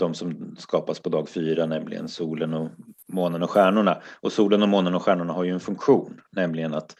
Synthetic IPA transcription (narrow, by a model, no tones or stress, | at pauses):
d̪̥ɔmsɔmskɑːpaspʰɔd̪ɑːɡfyːɾanɛmlɪ̰ɡə̰nsuːlənɔmoːnənɔɧæːɳʊɳaʔɔsuːlənɔmoːnənɔɧæːɳʊɳaɦaɾjɵɛnfɵŋkɧuːnːɛmlɪɡənat̪